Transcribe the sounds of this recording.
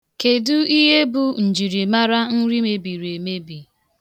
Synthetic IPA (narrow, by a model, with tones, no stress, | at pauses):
ke˨dʊ˦i˦ɦe˦bu˨n̩˨d͡ʒi˨ɾi˨ma˦ɾa˦n̩˦ɾi˦me˦bi˨ɾe˨me˦bi˨